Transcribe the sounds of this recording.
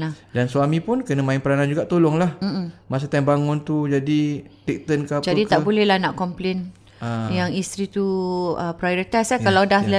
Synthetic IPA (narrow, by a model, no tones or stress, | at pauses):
ladanswamĩpʊnkənəmãɪnpəɾanand͡ʒuɡaʔt̪olʊŋlahm̩m̩mas̬at̪ambaŋʊnt̪ud͡ʒadit̪ik̚t̪ənkapd͡ʒadikt̪aʔbolɛlanaʔkɔmplen | ajaŋist̪ɾit̪uəpɾajoɾit̪ajsakalawdahla